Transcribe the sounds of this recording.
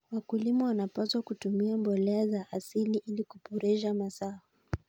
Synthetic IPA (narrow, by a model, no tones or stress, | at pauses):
wakulimawanapaswakutumiambɔlɛazaʔasiliʔilikupɔɾɛʃamasaa